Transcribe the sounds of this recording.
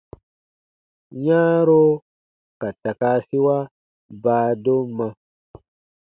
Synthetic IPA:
ɲaː˦ɾo˦ | ka˨ta˨kaː˦si˦wa˦ | baː˦do˦mːa˦

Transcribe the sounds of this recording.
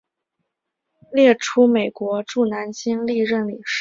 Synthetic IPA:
ljɛ˥˩ʈ͡ʂʰu˥me˨˩ɪkwɔ˧˥ʈ͡ʂu˥˩na˧˥nt͡ɕi˥ŋli˥˧ɻə˥˩nli˨˩ʂ

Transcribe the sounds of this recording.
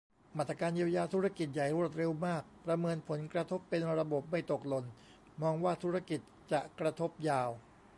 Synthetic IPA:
maː˩t̪ɾa˧kaː˧njiː˧əwjaː˧t̪ʰu˦˥ɾa˧˥ki˨˩t̪̚ja˨˩jɾu˥˩ət̪̚ɾe˧wmaː˥˩k̚pɾa˧mɤː˧npʰo˩˦nkɾa˧t̪ʰo˦˥pːe˧nɾa˧bo˨˩p̚ma˥˩jt̪o˨˩k̚lo˧n | mɔː˧ŋwaː˥˩t̪ʰu˦˥ɾa˧˥˩ki˨˩t̪̚t͡ɕa˨˩ʔkɾa˧t̪ʰo˦˥p̚jaː˧w

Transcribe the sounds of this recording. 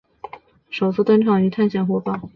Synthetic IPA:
ʂo˨˩ʊt͡sʰɹ̩˥t̪ə˥nʈ͡ʂʰɑ˨˩ŋy˧˥t̪ʰa˥˩nɕjɛ˨˩nxwɔ˥pɑ˥˩

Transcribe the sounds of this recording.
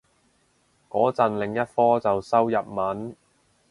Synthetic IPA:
kɔː˨˥t͡sɐ˨nlɪ˨˩ŋjɐ˥t̚fɔː˥t͡sɐ˨wsɐ˥wjɐ˨p̚mɐ˨˥n

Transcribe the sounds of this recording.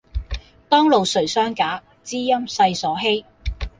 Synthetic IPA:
t̪ɔː˥ŋlo˨wsɵ˨˩ɥsœː˥ŋkaː˨˥ | t͡siː˥jɐ˥msɐ˧jsɔː˨˥ɦe˥j

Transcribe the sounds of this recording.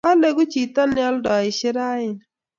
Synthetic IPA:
a˦le˦ɡʊ˦t͡ʃi˨tɔ˦nɪ˦ɔ˦ldɔ˨ɪ˨ʃɪ˦ɾa˦ɪ˨n

